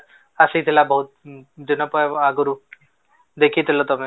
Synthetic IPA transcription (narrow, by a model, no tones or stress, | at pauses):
əsiit̪ʰilabəɦut̪̚d̪inɔpɔaɡɾu | d̪ekʰit̪ʰilɔt̪ɔme